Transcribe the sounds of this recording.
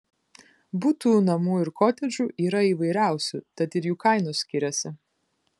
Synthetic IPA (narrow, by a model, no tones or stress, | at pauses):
bʊt̪uːnɐmuːɪɾkoːt̪ʲɛd͡ʒʲuːʔiːɾɐiːʋɐɪɾʲæˑʊsʲut̪ɐt̪ɪɾjuːkɐɪnʊsʲkʲɪɾʲɛsʲɪ